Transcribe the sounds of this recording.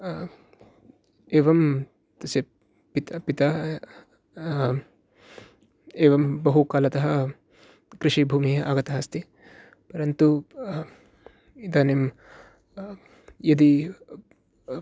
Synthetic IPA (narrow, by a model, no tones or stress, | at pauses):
eːʋɐm | t̪ɐsɐ | pit̪pit̪a | eːʋɐmbɐɦukaːlɐt̪ɐɦɐ | kɾɪʂibʱuːmiɦɐʔaːɡɐt̪ɐɦɐst̪i | pɐɾɐnt̪u | id̪aːnem | jɐd̪i